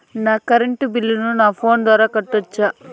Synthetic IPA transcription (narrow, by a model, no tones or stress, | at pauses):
naːkɐɾeɳʈubilːununaːpʰoːnd̪ʋaːɾaːkɐʈːuɐt͡ʃːaː